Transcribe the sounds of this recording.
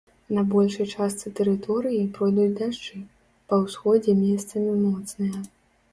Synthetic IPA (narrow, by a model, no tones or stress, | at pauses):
nɐbɔlʲʂɐjt͡ʂast̪sɨt̪ɛɾɨt̪ɔɾɨjipɾɔjd̪ut͡sʲd̪aʂt͡ʂɨ | pɐwsxɔd͡zʲɛmʲɛst̪sɐmʲimɔt̪snɨjɐ